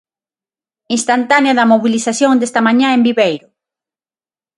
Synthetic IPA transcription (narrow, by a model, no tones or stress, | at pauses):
ĩnst̪ant̪aneaðɐmoβilisasjõŋd̪est̪amãɲãẽmbiβejɾʊ